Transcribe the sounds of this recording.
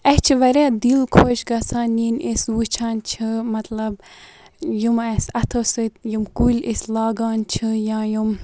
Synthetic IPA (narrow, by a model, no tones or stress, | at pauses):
ɐht͡ʃʰiʋɐɾeːd̪ilkʰoːʃɡɐsaːniːnesʋut͡ʃʰaːnt͡ʃʰɨmɐt̪lɐb | jumɐsɐt̪ʰoːsɨt̪jumkuːlʲislaːɡaːnt͡ʃʰɨjãːjum